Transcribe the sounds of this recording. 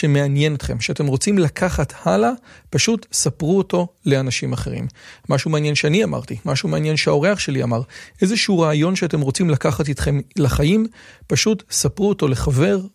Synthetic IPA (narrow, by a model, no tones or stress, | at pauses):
ʃe̞meanjenot̪χe̞mʃeate̞mʁo̞t͡simlakʰaχathalapaʃutsapʁuoto̞leanaʃimaχe̞ʁḭmːaʃumeanjenʃeaniama̰ʁt̪imaʃume̞anjenʃeao̞ʁe̞aχʃe̞lia̰maʁʔe̞zeʃeuʁaːjo̞nʃeate̞mʁo̞t͡simlakaχatit̪χe̞mlaχajimpaʃutsapʁuoto̞le̞χave̞ʁ